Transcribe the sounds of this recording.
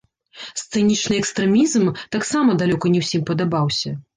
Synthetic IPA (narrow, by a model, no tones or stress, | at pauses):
st̪sɨnʲit͡ʂnɨɛkst̪ɾɛmʲizmt̪aksamɐd̪alʲɔkɐnʲɛwsʲimpɐd̪abawsʲɐ